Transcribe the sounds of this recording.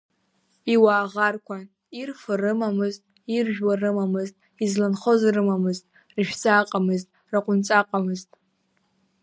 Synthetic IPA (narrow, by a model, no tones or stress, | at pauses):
iwaːʁarkʷʰa | irfɨrɨmamɨztʼ | irʒᶣwarɨmamɨztʼ | izlanχozrɨmamɨztʼ | rɨʃᶣt͡sʼaqʼamɨztʼ | raqʷʼʊnt͡sʼaqʼamɨztʼ